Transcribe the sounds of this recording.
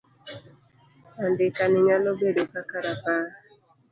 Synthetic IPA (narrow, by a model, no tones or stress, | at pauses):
andɪkanɪɲalɔbedokakaɾapa